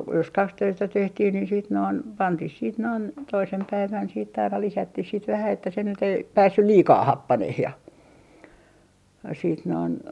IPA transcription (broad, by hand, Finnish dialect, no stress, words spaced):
jos kɑksøistæ tehtih ni siːt noin pɑntih siːt noin toisem pæiʋæn siːt ɑinɑ lisætːih sit ʋæhæ etːæ se nyt ei pæːsːyl liːkɑː hɑpːɑneh jɑ siːt noin